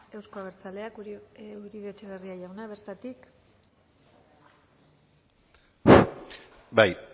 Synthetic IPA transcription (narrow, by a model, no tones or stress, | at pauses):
e̞wskoaβeɾt͡sale̞akuɾiβet͡ʃeβeriajawnaβe̞ɾt̪at̪ik | baj